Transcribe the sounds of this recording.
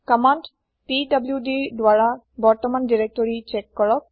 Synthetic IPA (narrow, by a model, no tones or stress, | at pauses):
kamaɳʈ | piɖɐbljuɖidwaɭa | bɔɹt̪ɔmanɖiɾek̚ʈɔɹit͡ʃekːɔɭɔk̚